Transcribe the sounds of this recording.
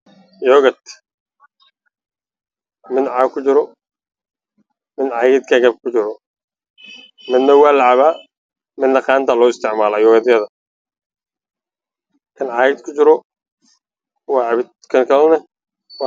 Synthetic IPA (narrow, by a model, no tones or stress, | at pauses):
jɔːɣɐt̪ | mɪnʕaːkʰʊt͡ʃɪɾɔ | mɪnʕɑjɪd̪̚kʰɐɡɐb̚kʰʊt͡ʃɪɾɔ | mɪnnɐwaːlɐʕɑβaː | mɪnnɐqaːnt̪ʰalɔːɪst̪ʰɪʕmaːlɐjɔːɣɐd̪jɐðɐ | kʰɐnʕɑjɪd̪kʰʊt͡ʃɪɾɔ | wɑːʕɑβɪd̪kʰɐŋkʰɐlnɛ | w